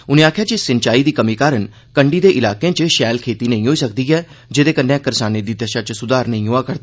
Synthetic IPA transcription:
ʊnẽːaːkʰjaːt͡ʃisɪnt͡ʃaːiːd̪iːkəmiːkaːɾən | kəɳɖiːd̪eːʔɪlaːkẽːt͡ʃʃɛːlkʰeːt̪iːnəĩːɦoːiːsək̚d̪iːɛː | d͡ʒeːd̪eːkənːẽːkəɾsaːneːd̪iːd̪ɛʃaːt͡ʃsʊd̪aːɾnəĩːɦoːaːkəɾd̪aː

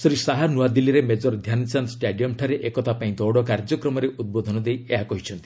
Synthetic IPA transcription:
sɾisaɦanuwad̪ilːiɾemed͡ʒɔɾd̪ʱjant͡ʃant̪sʈeɖijɔmʈʰaɾeʔekɔt̪ʰapaĩd̪ɔwɽɔkaɾd͡ʒɔkɾɔmɔɾeʔud̪̚bod̪ʱɔnɔd̪ejeɦakɔɦit͡ʃʰɔnt̪i̥

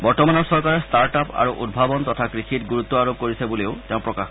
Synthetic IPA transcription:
bɔɹtɔmanɔɹsɔɹkaɹɛstaɹʈapa̰ɹuʔud̚bʱabɔnt̪ɔtʰakɹixitɡuɹut̪ːɔaɹob̚koɹisɛboleʊteʊ̃pɹɔkax

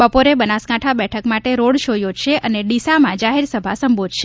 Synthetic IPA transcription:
bəpoɾebənaskãʈʰabɛʈʰəkmaʈeɾoɽʃojod͡ʒʃeəneɖisamãd͡ʒaɦeɾsəbʱasəmbod̪ʱʃe

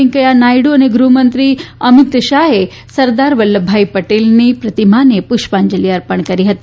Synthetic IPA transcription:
iŋkəjanajɽuəñeɡɾumənt̪ɾiːəmit̪ʃaɦe | sɐɾd̪aɾʋəlːəbʱːaipəʈelniːpɾət̪imanepuɕpaɲd͡ʑəliəɾpəɳkəɾiːɦət̪i

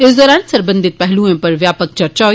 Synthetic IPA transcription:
ɪsd̪ɔːɾaːnsɐɾbə̃nd̪ʱɪt̪̚pɛɦlũẽpɐɾʋjaːpək̚t͡ʃɐɾt͡ʃaː

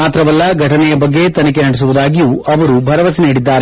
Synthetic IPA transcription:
aːt̪ɾɐʋɐlːɐɡʱɐʈʰɐnɛjɐbɐɡːe̞t̪ɐnɐk̬enɐɽɛs̬uʋud̪aːɡijuːɐʋɐɾubʱɐɾɐʋɐsɐniːɽid̪ːaːɾe

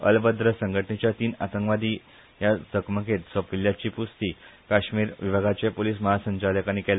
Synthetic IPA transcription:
ə̰lbəd̪ɾəsəŋɡʱəʈənet͡ɕjat̪iːnat̪əŋkʋad̪iː | jat͡səkməket̪səpʋiljat͡ɕiːpust̪iːkaɕmiːɾʋibʱəɡʱat͡ɕepoliːs̬məɦasəɲt͡ɕad̪əkañikɛl

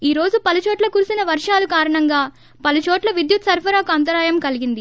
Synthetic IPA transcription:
iːɾo̞ːd͡ʒupɐlut͡ʃoːʈlɐkuːɾusinɐʋɐɾʂaːlukaːɾɐɳɐŋɡaː | pɐlut͡ʃoːʈlɐʋid̪jut̪sɐɾpʰɐɾaːkuɐnt̪̬ɐɾaːjɐmkɐliɡind̪i

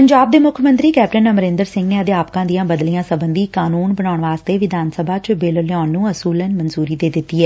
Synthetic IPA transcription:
pəɲd͡ʒaːb̚d̪eːmʊkʰəmə̃nt̪ɾiːkɛːp̚ʈənəməɾɪ̃ːnd̪əɾsɪ̃ŋɡneːəd̪eːaːpkãːd̪ijãːbəd̪lijãːsəbənd̪iːkaːnuːnbəɳaːʊɳʋaːst̪eːʋɪd̪ʱaːnsəbʱaːt͡ʃbeːləljaːnːũːəsuːlənmənzuːɾiːd̪eːd̪ɪt̪ːiːɦɛː

